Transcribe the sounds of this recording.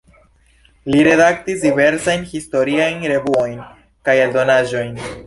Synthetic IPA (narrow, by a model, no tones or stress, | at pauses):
liɾe̞dak̚tis̬dive̞ɾsajnhisto̞ɾiajnɾe̞vuo̞jn | kajeldo̞naʒo̞jn